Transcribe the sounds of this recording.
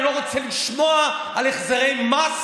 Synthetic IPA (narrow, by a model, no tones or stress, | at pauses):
loʁot͡sɛliʃmo̞a | aleχzaʁejmas